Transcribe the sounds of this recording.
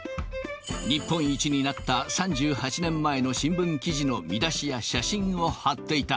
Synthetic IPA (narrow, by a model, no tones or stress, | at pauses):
ɲipːõ̞ɰ̃it͡ɕiɲ̟inat̪ːasãɲd͡ʑɨːhat͡ɕinẽ̞mːae̞no̞ɕĩmbɯ̟̃ŋkʲiʑino̞mʲid̪aɕijaɕaɕĩɰ̃o̞hat̪ːe̞it̪a